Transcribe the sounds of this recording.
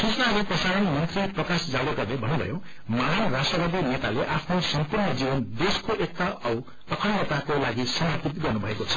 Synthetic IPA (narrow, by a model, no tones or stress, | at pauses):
sisnaliprʌsaɾʌnmʌnt̪riprʌkasd͡zaɽʌɡʌrnebʱʌnːubʱʌ̰jo | manrasʌbʌd̪inet̪aleʔapʰnosʌmpurnʌd͡zibʌnd̪eskoʔek̚t̪aʔʌw | ʌkʰʌnːet̪akolaɡisʌmʌp̪it̪ɡʌrnubʱʌekot͡sʰʌ̥